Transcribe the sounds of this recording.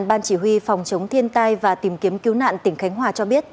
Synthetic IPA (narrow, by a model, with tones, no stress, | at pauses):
nɓaː˧nt͡ɕi˧˩hwi˧fɔ˨˩wŋ͡mt͡ɕə˨˦wŋ͡mt̪ʰi˧ənt̪aː˧jvaː˨˩t̪i˨˦mki˨˦əmki˨˦wna̰ː˧˨nt̪ï˧˩ŋ̟xa˨˦jŋ̟ɦwaː˨˩t͡ɕɔ˧ɓi˦˥ət̚